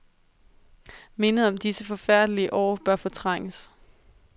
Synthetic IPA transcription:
me̝nəð̩ˠɒ̽md̥isəfɒ̽fæɐ̰d̥əliəʔɒ̰ːb̥ɶɐfɒ̽t͡sʰʁɑ̈ŋ̰əs

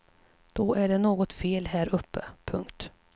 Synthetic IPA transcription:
d̪̥ɔʔæɖɛnoːɡɔt̪feːlɦæːɾʔɵpʰːə̰pʰɵŋkt̪

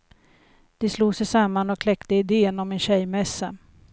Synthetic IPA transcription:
d̪̥ɛsluːsɛjsamːanɔkʰlɛkt̪əɪd̪eːənɔmɛnɕɛjmɛsːa

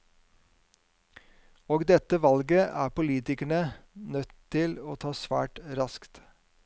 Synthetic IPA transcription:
oːɡd̪ɛt̪əʋɑlɡəʔæ̰ːpʊliːt̪ɪkəɳənœt̪ʰtːɪloːt̪ʰɑːsʋæ̰ːʈɾɑskt̪

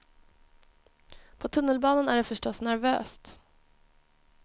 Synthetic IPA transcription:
pʰɔt̪ʰɵnːəlbɑːnənæɖɛfœʂʈɔsnæɾvø̰ːst̪

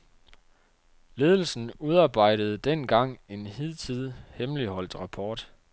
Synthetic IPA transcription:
le̝ːð̞ˠl̩sn̩uð̞ˠɑ̈ːb̥ɑ̈ɪ̰d̥əð̞̩ˠd̥en̰ɡ̥ɑ̈ŋ̰e̝nhið̰ˠt͡sʰið̰ˠhemlihɒ̽l̰d̥ʁɑ̈pʰɒːd̥

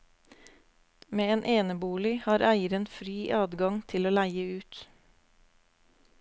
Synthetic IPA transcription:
meːeːnʔeːnəbuːlɪhɑːɾʔæɪəɾənfɾiːʔɑːd̪ɡɑŋt̪ʰɪloːlæɪəʉːt̪

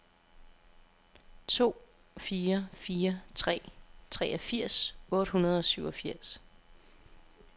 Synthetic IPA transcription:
t͡sʰo̝̰ː | fiːɐfiːɐt͡sʰʁɛ̰ːt͡sʰʁɛʔɒfiɐ̰sɔ̽ːɾ̥hɦunɐð̞ˠɒ̽syʊɒ̽fiɐ̰s

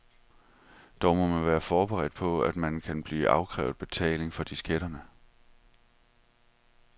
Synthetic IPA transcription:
d̥ɒʊ̰mɒ̽nmænʋæːɐfɒːb̥eʁɛd̥̚pʰɒ̽æd̥mænkʰænb̥liːʔɑ̈ʊkʰʁɛ̰ːʊðˠb̥e̝t͡sʰɛ̰ːle̝ŋfɒ̽d̥isɡ̥eɾ̥ɐnə

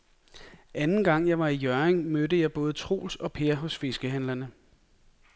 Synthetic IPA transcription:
ʔænn̩ɡ̥ɑ̈ŋ̰jɑ̈ɪʋɑ̈ijœɐeŋmødəjɑ̈ɪb̥ɔ̽ːð̞̩ˠət͡sʰʁo̝̰ːlsɒ̽pʰe̝ɐɦɔ̽sfe̝sɡ̥əɦænlɐnə

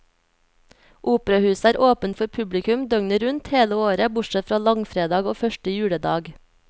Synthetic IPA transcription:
ʔuːpəɾɑhʉːsæːɾʔoːpənfɔɾpʰʉblɪkʉmd̪œŋnəɾʉnt̪heːləoːɾəbʊʈʃɛt̪fɾɑːlɑŋfɾeːd̪ɑːɡoːfœʃʈəjʉːɽəd̪ɑːɡ

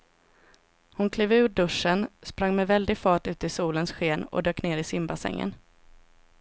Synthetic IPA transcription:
hʊnkʰliːvʉ̟ːɖɵʂːənspɾaŋːmɛvɛld̪ɪɡfɑːʈʉ̟ːt̪əɪsuːlənsɧeːnɔ̰d̪øːkneːɾɪsɪmbasɛ̰ŋːə̰n

